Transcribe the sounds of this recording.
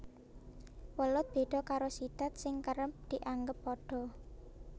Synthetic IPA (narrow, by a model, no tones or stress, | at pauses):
wəlʊt̪̚b̥e̤d̪̥ɔ̤kaɾosid̪̥a̤t̪̚sɪŋkəɾəp̚d̪̥iʔaŋɡəpːɔɖ̥ɔ̤